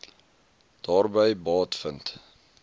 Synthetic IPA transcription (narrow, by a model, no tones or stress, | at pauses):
d̥ɑːrbəjbɑːtfənt